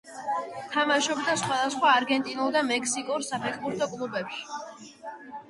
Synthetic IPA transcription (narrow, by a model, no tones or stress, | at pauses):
t̪ʰamaʃɔbd̪asχwad̪asχwaːɾɡɛnt̪ʼinulˠd̪amɛkʰsikʼuɾsapʰɛχbuɾt̪ʰɔkʼlˠubɛpʃi̥